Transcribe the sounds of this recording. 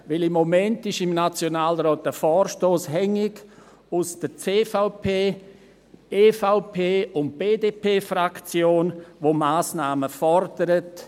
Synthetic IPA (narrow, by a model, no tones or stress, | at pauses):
ʋɪlɪmːomɛntɪʃɪmnat͡sjonaːlɾɔːtəfɔːɾʃtoːshɛŋɪɡ | ʊsd̥ət͡seːfaʊpʰeː | eːfaʊpʰeːʊnt̚b̥eːdeːpʰeːfrakt͡sjoːnʋomaːsnaːməfɔɾd̥əɾət